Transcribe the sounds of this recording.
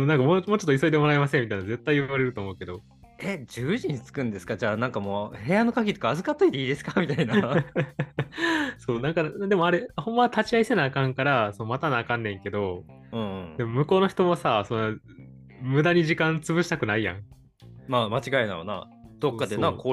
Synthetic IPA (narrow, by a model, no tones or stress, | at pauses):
mnãŋkamomoːt͡ɕot̪ːiso̞id̪e̞mo̞ɾaimasemʲːit̪ainaze̞t̪ːaiɯβaɾe̞ɾɯ̟t̪oːmo̞ɯ̟ke̞d̪o̞ | ed͡ʑɨːʑiɲ̟it͡sɨ̥kɯ̟̃nd̪e̞sɨ̥kad͡ʑaːnãŋkamoːhe̞jano̞kaɡʲit̪o̥kaːzɨkat̪ːoit̪e̞iːd̪e̞sɨ̥kamʲit̪aina | so̞ːnãŋkad̪e̞mo̞aɾehõ̞mːat̪at͡ɕiaisenaːkãŋkaɾasonomat̪anaːkãnːẽ̞ŋke̞d̪o̞ | ɯ̟̃ɴɯ̃d̪e̞momɯ̟ko̞ːno̞çʲi̥t̪o̞masaso̞nːa | mɯ̟d̪aɲ̟iʑikãnt͡sɨβɯ̟ɕit̪akɯ̟naijã̰ŋ | mamat͡ɕiɡaina̰ɾo̰na̰ | d̪̥okːad̪enakoː